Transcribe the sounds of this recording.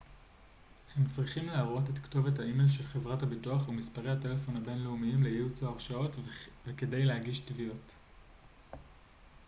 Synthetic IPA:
he̞mt͡sʁiχimleaʁo̞te̞tkto̞vethaimelʃe̞lχevʁathabituaχumispaʁe̞jhate̞lefo̞nhabe̞nleumiimlejiut͡soaʁʃao̞tveke̞dejlehaɡiʃtviot

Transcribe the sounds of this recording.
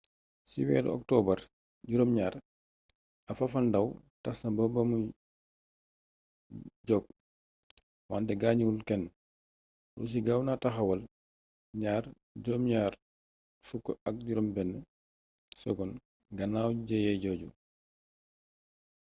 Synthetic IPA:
siwɛ̰ːd̰ɔ̰k̚tɔbɐɾ | ɟuɾomɲaːɾ | ɐfafandaw | tasnabɔbamu | ɟɔɡ̚ | wantɛɡaːɲuulkɛn | ɾṵs̬iɡawnataxɐwɐl | ɲaːɾ | ɟuɾɔmɲaːɾ | fukːɔɐk̚ɟuɾɔmbɛnːə | sɔ̰ɡɔn | ɡɐnaːwɟɛjɛɟɔːɟu

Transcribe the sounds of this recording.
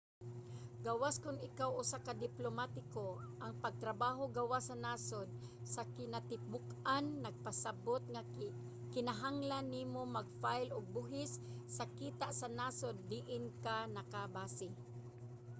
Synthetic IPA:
ɡawaskʊnɪkawʔʊsakad̪ɪplomat̪ɪkoʔɐŋpɐɡ̚t̪ɾɐbaːɦoɡawasɐnaːsod̪̚ | sɐkɪnat̪ɪbʊkʔanːɐɡ̚pɐsabot̪̚ŋa | kɪnaɦaŋlanːiːmomɐɡ̚fajloɡ̚bʊɦɪsːɐkiːt̪aʔsɐnaːsod̪ːɪʔɪnkanɐkabaːsɪ

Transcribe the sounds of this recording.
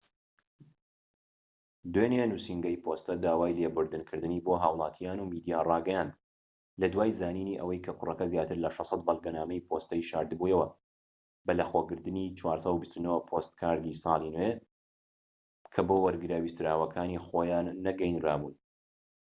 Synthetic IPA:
d̪wenenuːsiŋɡɐjpʰoːst̪ɐd̪aːwaːjleːbʊɾd̪ɨnkʰɨɾd̪ɨniːboɦaːwlˠɑːt̪ʰijaːnumid̪ijaːrɑːɡɐjaːnd̪ | lɐd̪waːjzaːniːniːʔɐ̰wɐjkʰɐkʰʊrɐkɐzjaːt̪ɨɾlɐʃɑsˤɑt̪̚bɐlˠɡɐnaːmɐjpʰoːst̪ɐjʃaːɾd̪ɨbujɐwɐ | bɐlɐxoɡɨɾd̪ɨniːt͡ʃʰwaːɾsɑwubist̪unopʰost̪kʰaːɾd̪iːsˤɑːlˠinwe | kʰɐboːwɐɾɡɨɾaːwist̪ɨɾaːwɐkʰaːnixoːjaːnːɐɡɐjnɾaːbuːn

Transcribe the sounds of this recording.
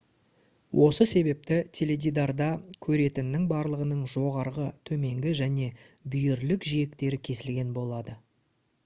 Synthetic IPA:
wʔo̞səse̞be̞p̚t̪ɪt̪ʲʰe̞lʲe̞d̪ʲid̪ard̪ɑkʲʰɵɾe̞t̪ɪnːɪŋbɑɾlˠəʁənəɴʒo̞ʁɑɾʁət̪ʰɵme̞ŋɡʲɪʒæne̞bʏjɪɾlɪkʒije̞kt̪e̞ɾɪkʲʰe̞sɪlɡʲe̞nbo̞lˠɑd̪ə

